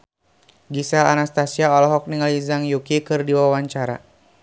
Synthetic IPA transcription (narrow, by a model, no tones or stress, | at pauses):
ɡisalanast̪asiaɔlɔɦɔk̚niŋalizaŋjukikɨrdiwawaɲt͡ʃaɾa̰